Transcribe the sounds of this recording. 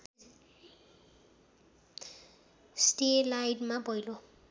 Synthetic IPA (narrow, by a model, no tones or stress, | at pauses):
sʈelajɖmabʌjlo